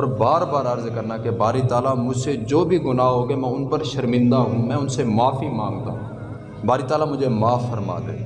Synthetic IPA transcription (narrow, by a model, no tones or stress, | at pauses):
ɔːɾbaːɾbaːɾəɾzkəɾnakebaːɾit̪aːlaːmʊd͡ʒʱsed͡ʒoːbʱiːɡʊnaːɦoːɡeːmɛ̃ːʊnpəɾʃəɾmɪ̃nd̪aːɦũːmɛ̃ːʊnsemaːfiːmãːŋɡt̪a̰ːɦũː | baːɾiːt̪aːlaːmʊd͡ʒʱeːmaːfːəɾma̰ːd̪ḛ̃ː